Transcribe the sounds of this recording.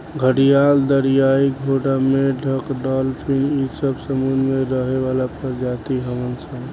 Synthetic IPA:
ɡʱəɽijald̪əɾijaiɡʱoɖameɖʱəkɖɔlpʰinisəbsəmud̪meɾəɦeʋalapəd͡ʒat̪iɦəmənsən

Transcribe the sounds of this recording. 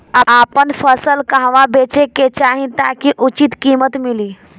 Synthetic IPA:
aapənfəsəlkãɦʋabet͡ʃeket͡ʃaɦĩt̪akiʔut͡ʃit̪kimət̪miliː

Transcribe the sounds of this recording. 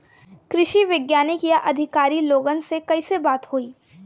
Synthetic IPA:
kɾɪʃiʋɪɡjaːnekijaʔɐd̪ʱɪkaːɾiloːɡənsekɐisebaːt̪hoːiː

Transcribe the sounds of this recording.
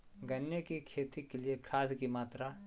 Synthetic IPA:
ɡɐnjekikʰeːt̪ikeliekʰaːskimaːt̪ɾa

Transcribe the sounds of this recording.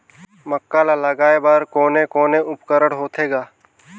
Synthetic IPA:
məkːaːlalaɡaːebaɾkoːnekoːneʊpkəɾəɽɦoːt̪ʰeːɡaː

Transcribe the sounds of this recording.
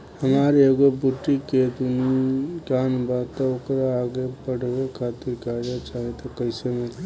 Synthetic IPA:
həmaɾeɡobuʈːiked̪unikaːnbat̪aokɾaːɡepəɽ̤ʱbekʰaːt̪iɾkaːd͡ʒat͡ʃaːɦet̪ɔkəɪseme

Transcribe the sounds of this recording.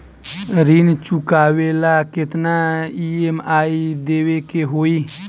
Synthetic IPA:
ɾiːnt͡ʃukaːwelakɪt̪naiemaːid̪eːwekeɦoːiː

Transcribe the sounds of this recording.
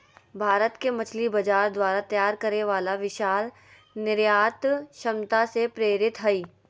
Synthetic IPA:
bʱaːɾət̪kemɐt͡ʃʰlibɐd͡ʒaːɾd̪waːɾat̪jaːɾkɐɾeʋaːlaʋɪʃaːl | nɪɾjaːt̪ʃɐmt̪asepɾeːɾɪt̪ɦɐiː

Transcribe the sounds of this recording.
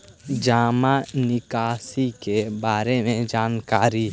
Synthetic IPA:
d͡ʒaːmãnɪkaːsikebaːɾemẽd͡ʒaːnkaːɾi

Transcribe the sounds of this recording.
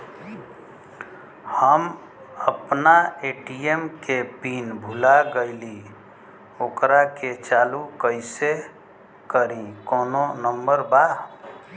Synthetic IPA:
həm | əpnaeʈiemkepinbʱulaɡəɪli | oːkɾaket͡ʃaːlukəɪse | kəɾĩkoːnonəmbəɾba

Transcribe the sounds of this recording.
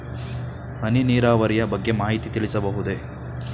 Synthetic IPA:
ɦɐniniːɾaːʋɐɾijɐbɐɡːe̞maːɦit̪it̪iɭisɐbɐɦud̪e̞

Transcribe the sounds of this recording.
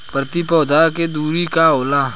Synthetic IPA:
pɾət̪ipɔːd̪ʱaːked̪uːɾikaoːlaː

